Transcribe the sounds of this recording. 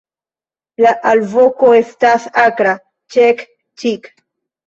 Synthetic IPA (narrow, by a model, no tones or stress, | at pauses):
laʔalvokoestasakɾa | t͡ʃek | t͡ʃik